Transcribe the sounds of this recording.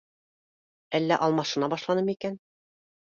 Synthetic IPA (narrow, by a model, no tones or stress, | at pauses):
ælːæʔɑlˠmɑʃɤ̆nɑbɑʃlˠɑnɤmikæn